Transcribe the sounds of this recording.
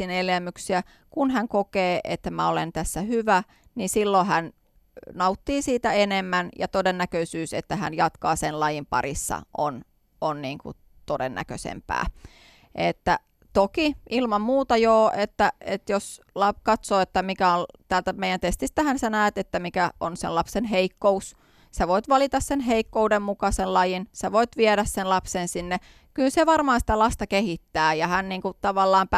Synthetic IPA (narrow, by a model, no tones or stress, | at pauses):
inelemːyksiæ | kunɦæŋkokeːʔet̪ːæmæolent̪æsːæhyʋæ | nisilːohæn | nɑut̪ːiːsiːt̪æenemːænjɑ̰t̪odenːækøisyːset̪ːæhæ̰njɑt̪kɑːsenlɑjimpɑ̰risːɑ̰ʔon | onniːŋkṵ | t̪odenːʔæ̰kø̰sḛmpæ̰ː | ʔet̪ːæ | t̪okiilmɑmmuːt̪ɑjoːʔet̪ːæet̪jos | lɑpkɑt̪soːet̪ːæmikæont̪æːlt̪æmeijænt̪est̪ist̪æhænsænæːt̪et̪ːæmikæonselɑpsenɦeikːous | sɑʋoit̪ʋɑlit̪ɑssenɦeikːoudemmukɑsellɑjinsɑʋoit̪ʋieɾæssenlɑpsensinːe | kylseʋɑrmɑːnsi̥t̪ælɑst̪ɑkehit̪ːæːjɑhænniːŋkut̪ɑʋɑlːɑːmp